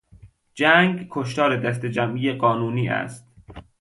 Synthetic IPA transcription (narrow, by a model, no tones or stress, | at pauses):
d͡ʒæːŋɡkʰoʃ̬t̪ɒːɾed̪æst̪ed͡ʒæmʔijeɢɒːnuːniːʔæ̰st̪̚